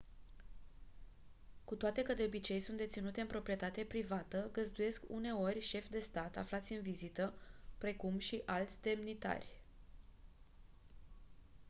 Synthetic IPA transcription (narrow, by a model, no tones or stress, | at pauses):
kut̪oat̪e̞kəd̪e̞o̞bit͡ʃe̞jsunt̪d̪e̞t̪sinut̪e̞ɨnpɾo̞pɾie̞t̪at̪e̞pɾivat̪əɡəzd̪uje̞skṵne̞o̞rʲʃe̞fd̪e̞st̪at̪a̰flat̪sʲɨnvizit̪əpɾe̞kumʃiʔalt̪sʲd̪e̞mnit̪a̰rʲ